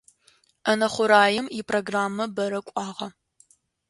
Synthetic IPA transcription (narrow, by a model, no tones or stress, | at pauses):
ʔɐnɐχʷʊɾaːjɪmipʰroɡraːmːɐbɐɾɐkʷʼɑːʁɐ